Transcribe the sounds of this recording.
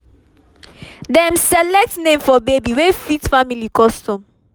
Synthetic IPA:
dɛmsɛlɛk̚tnẽmfɔbebiwefitfamilikɔstɔ̃m

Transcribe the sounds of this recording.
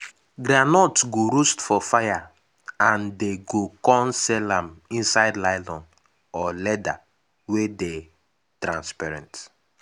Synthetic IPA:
ɡɾanɔtɡoɾostfɔfaja | ãndeɡokɔ̃nsɛlãmĩnsaɪdlaɪlɔ̃n | ɔlɛda | wede | tɾãnspaɾɛ̰̃nt

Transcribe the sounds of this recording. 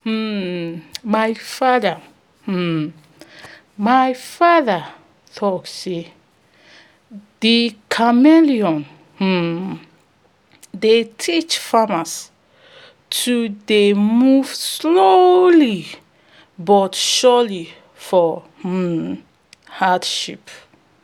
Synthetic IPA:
majfada | majfaða | θɔtse | dikʰameliɔ̃n̩ | detʰit͡ʃfamas | tʰudemuv̥sloli | bɔtʃɔli | fɔ | hadʃip

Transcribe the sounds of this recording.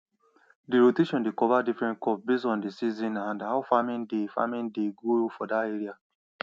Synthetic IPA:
diɹoteʃɔ̃ndekɔvadifɹɛ̃nt̚kɔp̚bes̬ɔ̃ndisizĩnãndhaʊfamĩndefa̰mĩndeɡofɔdateɹia

